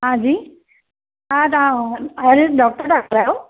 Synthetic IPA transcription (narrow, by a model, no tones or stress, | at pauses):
ɦãd͡ʒiː | ãt̪ãəɾeɖɔk̚ʈəɾɖak̚ʈəɾao